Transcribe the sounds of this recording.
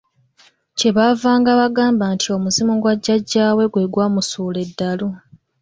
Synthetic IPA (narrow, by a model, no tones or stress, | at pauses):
ce̞βavaːŋɡaβaɡaːmbantʰio̞muzimuɡwaɟːaɟːaːwe̞ɡwe̞ːɡwaːmusuːle̞dːalu